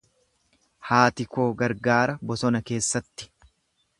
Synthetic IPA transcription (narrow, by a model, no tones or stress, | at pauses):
haːt̪ɪko̞ːɡɐɾɡaːɾɐbɔsɔnɐke̞ːsːɐt̪ːɪ̥